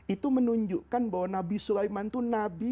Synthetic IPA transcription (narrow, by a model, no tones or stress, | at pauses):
ʔit̪umənuɲd͡ʒuʔkanbawanabisulaimant̪unabi